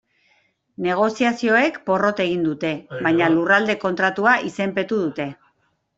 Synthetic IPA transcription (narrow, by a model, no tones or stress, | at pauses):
ne̞ɣ̞o̞siasio̞e̞kpo̞ro̞t̪e̞ɣ̞ind̪ut̪e̞βajɲalurald̪e̞ko̞nt̪ɾat̪uaʔise̞mpe̞t̪uðut̪e̞